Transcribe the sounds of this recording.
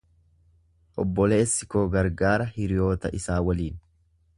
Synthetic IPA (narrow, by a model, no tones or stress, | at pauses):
ʔɔbːɔle̞ːsːɪkoːɡɐɾɡaːɾɐhɪɾɪjo̞ːt̪ɐ̰ʔɪsaːwɐliːn